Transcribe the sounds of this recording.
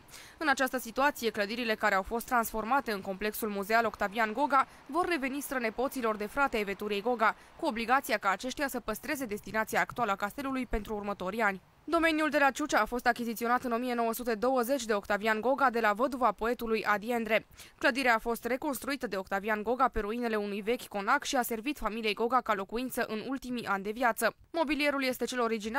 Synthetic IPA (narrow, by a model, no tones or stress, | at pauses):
ɨnat͡ʃast̪əsit̪uat̪sije̞kləd̪iɾile̞kaɾe̞awfo̞st̪ːɾansfo̞rmat̪e̞ɨnko̞mple̞ksulmuze̞alo̞kt̪avianɡo̞ɡa | vo̞rːe̞ve̞nist̪ɾəne̞po̞t̪silo̞rd̪e̞fɾat̪eaeve̞t̪uɾiejɡo̞ɡa | kuo̞bliɡat̪siakaːt͡ʃe̞ʃt̪ejasəpəst̪ɾe̞ze̞d̪e̞st̪inat̪siaːkt̪ualəakast̪e̞lulujpe̞nt̪ɾuːrmət̪o̞ɾianʲ | d̪o̞me̞njuld̪e̞lat͡ʃut͡ʃaːfo̞st̪akʲizit̪sio̞nat̪ɨno̞mije̞no̞wəsut̪e̞d̪o̞wəze̞t͡ʃʲd̪e̞o̞kt̪avianɡo̞ɡad̪e̞lavəd̪uvapo̞e̞t̪ulujʔad̪ie̞nd̪ɾe̞kləd̪iɾeaːfo̞st̪re̞ko̞nst̪ɾuit̪əd̪e̞o̞kt̪avianɡo̞ɡape̞ɾuine̞le̞unujve̞kʲko̞nakʃiase̞rvit̪familijejɡo̞ɡakalo̞kuint̪səʔɨnult̪imiʔanʲd̪e̞vjat̪sə | mo̞bilije̞ɾulje̞st̪e̞t͡ʃe̞lo̞ɾid͡ʒina